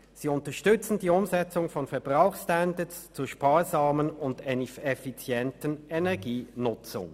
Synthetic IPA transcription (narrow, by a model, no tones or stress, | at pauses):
z̥iːʊntɐʃtʏt͡sn̩diːʊmzɛt͡sʊŋfɔnfɛɐb̥ʁaʊxstɛndəst͡suːɐʃpaːɐzaːmənʊndenɛfit͡sjɛntənɛnɛɐɡiːnʊt͡sʊ̰ŋ